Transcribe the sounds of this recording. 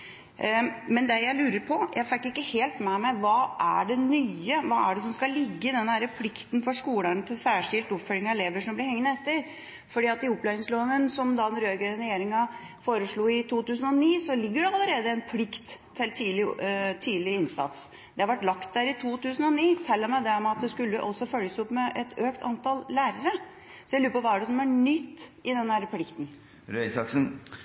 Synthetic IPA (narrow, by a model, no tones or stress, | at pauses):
mɛnd̪ɛjæɪlʉːɾəɾpʰɔjʔæɪfɛkːɪkːəheːlt̪mɛmɛʋɑːʔæ̰ɖɛnyːəʋɑːæɖɛsɔmskɑlɪɡːəɪd̪ɛnːəhæːɾəpʰlɪkt̪n̩fɔʂkuːlænət̪ʰɪlsæːʂɪlt̪ʊpfœlɪŋɑɛleːʋəʂɔmblɪɾhɛŋnəɛt̪ːəɾ | fɔɖiːɑt̪ɪʊpːlæɪɪŋsloːʋənsɔmd̪ɑːd̪ɛnɾøːɡəənɾɛjeːɾɪŋɑ | foːɾəʂɭuːɪt̪ʰuːt̪ʉːsən̩ɔniːsɔlɪɡːəɖɛɑlːəɾeːd̪əɛnpʰlɪkt̪ʰːɪlt̪ʰiːlɪt̪ʰiːd̪lɪɪnsɑ̰t̪s | d̪̥ɛɑɾʋæʈːlɑkt̪̚d̪æɾɪt̪ʰuːt̪ʉːsənɔniːt̪ʰɛlːəmæɪd̪ɛɔmɑt̪̚d̪ɛskʉlːəʔɔsːɔfœljəsʊpːmɛʔɛt̪ʰøːkt̪ʰɑ̰nt̪ɑllæːɾəɾə | sɔjæɪlʉːɾəpɔʋɑːæɖɛsɔmæɳʏt̪ːɪd̪ɛnhæɾəpʰlɪkt̪n̩ | ɾœsɑksn